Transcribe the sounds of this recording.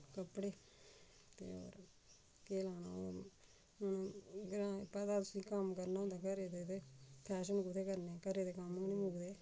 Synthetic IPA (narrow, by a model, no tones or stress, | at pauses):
kəpːɽeː | t̪ḛːo̰ːɾ | keːlaːna̰ː | ʊnɡɾãːpɛd̪aːt̪ʊsĩːkəmkəɾnad̪akəɾed̪eːt̪epʰɛːʃənkʊt̪ʰeːkəɾneːkəɾeːd̪ekamnĩːmʊɡd̪eː